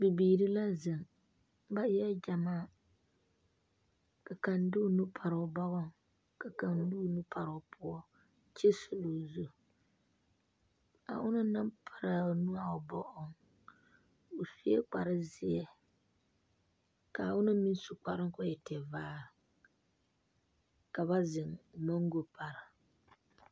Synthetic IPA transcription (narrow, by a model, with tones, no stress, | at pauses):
bɪ˨biː˨ɾi˦la˦zɨ˨ŋ | ba˦ɛ˦d͡ʒa˨maː˦˨ | ka˨ka˨ndʊ˦nu˦pʰa˨ɾʊ˨ba˦ɣɔ˦ŋ | ka˨ka˨ndu˦nu˦pʰa˨ɾʊ˨pʰʊ˦ɔ˦ | t͡ʃɛ˦sʊ˦lo˨zu˦ | a̰˨ʔʊ˦nʊ˦nɨ˦mpʰa˨ɾa˨nu˦a˦˨ʊ˨bɔ˦ʔɔ˦ŋ | ʊ˨fi˦ɛ˦k͡pa˨ɾɨ˦zɪ˦ɛ˨ | ka˨wʊ˦nɨ˦mi˦n˦su˨k͡pa˨ɾɨ˦ŋ˦kʊ˦jɛ˨tɛ˨vaː˦˨ | ka˨ba˦zɪ˨ŋmo˦ŋ˦ɡʊ˦pa˨ɾɪ˨